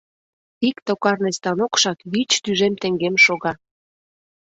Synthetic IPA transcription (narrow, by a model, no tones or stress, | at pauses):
ikt̪okɑrnest̪ɑnokʃɑkβit͡ɕt̪yʒemt̪ĕŋɡemʃoɣɑ